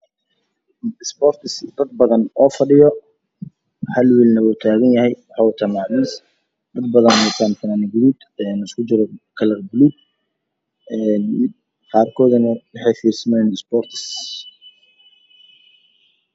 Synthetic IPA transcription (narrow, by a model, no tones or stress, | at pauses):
ɪsbɔːrt̪ʰɪsd̪ɐd̪̚bɐðɐnɔːfɐɖɪjɔ | hɐlwiːlnɐwɔt̪ʰaːɣɐnjɐhɛjwɑħɑːwt̪ʰamɑʕmiːs | d̪ɐd̪bɐðɐnɔt̪ʰant̪ʰɐnaːnɪɡʊluːd̪ | ɛːnɪskʰʊt͡ʃɪɾɔkʰɐlɐrɡʊluːd̪̚ | ɛn | qɑːrkʰɔːðɐnɐwɑħɛːfiːrsɐmɛjnɐsbɔːrt̪ʰɪ̥s